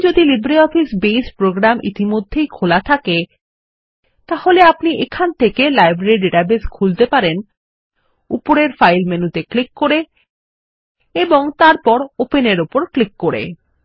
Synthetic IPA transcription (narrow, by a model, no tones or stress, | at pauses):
d͡ʑod̪ilibɾiɔfisbespɾoɡɾamʔḭt̪imod̪ʱːejkʰolat̪ʰake | t̪aholeapniʔekʰant̪ʰekelajbɾeɾiɖeʈabeskʰult̪epaɾen | upoɾeɾfajlmenut̪eklikːoɾe | eboŋt̪aɾpɔɾopeneɾupoɾklikːoɾḛ